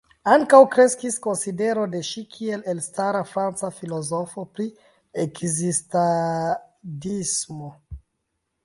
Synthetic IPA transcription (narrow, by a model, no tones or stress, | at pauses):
aŋkawkɾe̞skisko̞nside̞ɾo̞de̞ʃikʰie̞le̞lstaɾafɾant͡safilo̞zo̞fopɾi | ekzista | dismo̞